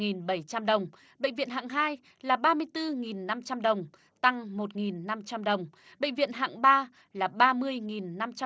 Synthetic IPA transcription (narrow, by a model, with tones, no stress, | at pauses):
ŋi˨˩nɓə˧˩jt͡ɕa˧mɗə˨˩wŋ͡m | ɓə̰˧˨ŋ̟vḭ˧˨ənɦa̰ː˧˨ŋɦaː˧j | laː˨˩ɓaː˧mɨ˧əjt̪ɨ˧ŋi˨˩nːa˧mt͡ɕa˧mɗə˨˩wŋ͡m | t̪a˧ŋmo˨˩t̚ŋi˨˩nːa˧mt͡ɕa˧mɗə˨˩wŋ͡m | ɓə̰˧˨ŋ̟vḭ˧˨ənɦa̰ː˧˨ŋɓaː˧ | laː˨˩ɓaː˧mɨ˧əjŋi˨˩nːa˧mt͡ɕa˧